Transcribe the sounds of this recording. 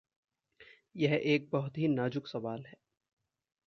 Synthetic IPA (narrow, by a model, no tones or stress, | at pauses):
jɛɦeːk̚bɐɦʊt̪ɦinaːd͡ʒʊksɐʋaːlɦɛː